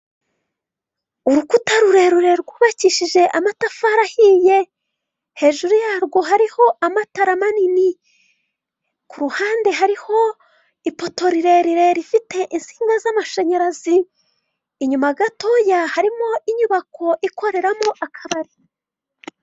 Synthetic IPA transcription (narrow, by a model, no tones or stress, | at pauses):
uɾukutaɾuɾe̞ɾuɾe̞ɾɡuːβaciʃiʒeʔamatafaɾahiːje̞ | he̞ːʒuɾujaːɾɡo̞ɦaɾiho̞ʔamataɾamanini | kuɾuhaːnde̞ɦaɾiho̞ | ipo̞to̞ɾiɾe̞ɾiɾe̞ɾifite̞ʔinsi̥ːŋɡazamaʃeɲeɾaziː | ɲumaɡato̞jahaɾimo̞ʔiɲuβako̞ʔikʰo̞ɾe̞ɾamo̞ʔakʰaβaɾi